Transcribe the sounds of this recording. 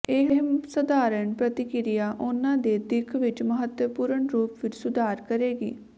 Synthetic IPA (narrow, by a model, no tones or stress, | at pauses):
eːɦɦmsəd̪aːɾəɳpɾət̪ɪkɪɾɪjaːʔʊnãːd̪eːd̪ɪkʰʋɪt͡ʃməɦət̪jəpuːɾəɳɾuːpʋɪt͡ʃsʊd̪ʱaːɾkəɾeːɡḭː